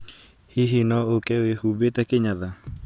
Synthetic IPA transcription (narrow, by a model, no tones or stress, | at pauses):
hiɦinɔokɛoehubet̪ɛkeɲaða